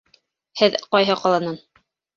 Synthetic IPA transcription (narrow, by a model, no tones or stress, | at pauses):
hɘðqɑjɦɤqɑlˠɑnɑn